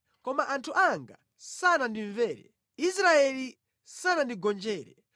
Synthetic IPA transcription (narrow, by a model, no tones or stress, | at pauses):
kɔmaʔantʰuʔaŋɡa | sanandiɱvɛːɾɛ̰ | isɾaɛli | sanandiɡɔnd͡ʒɛːɾɛ̰